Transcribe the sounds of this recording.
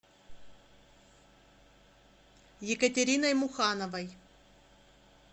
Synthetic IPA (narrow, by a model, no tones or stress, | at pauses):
jɪkətʲeɾʲinɐjmʊxɑnəvɐj